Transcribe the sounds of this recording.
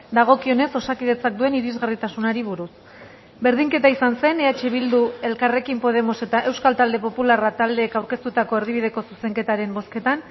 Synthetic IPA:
d̪aɣ̞o̞kio̞ne̞so̞sakið̞e̞t͡sak̚d̪ue̞niɾizɣarit̪asunaɾiβuɾus | be̞ɾð̞iŋke̞t̪aisanse̞neat͡ʃeβ̞ild̪ue̞lkare̞kimpo̞ð̞e̞mo̞se̞t̪aʔe̞wskalt̪ald̪e̞po̞pularat̪ald̪e̞ːkawɾke̞st̪ut̪ako̞eɾðiβið̞e̞ko̞suse̞ŋke̞t̪aɾe̞mbo̞ske̞t̪an

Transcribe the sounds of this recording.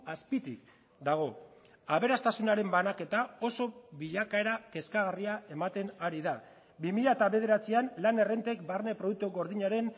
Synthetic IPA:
aspit̪ḭk̚ | d̪aɣ̞o̞ | aβ̞e̞ɾast̪asunaɾe̞mbanake̞t̪ao̞so̞βiʎakae̞ɾake̞skaɣariae̞mat̪e̞naɾiða | bimiʎaet̪aβe̞ð̞e̞ɾat͡sianlane̞re̞nt̪e̞kbarne̞pɾouk̚t̪uɣo̞ɾðiɲaɾe̞n

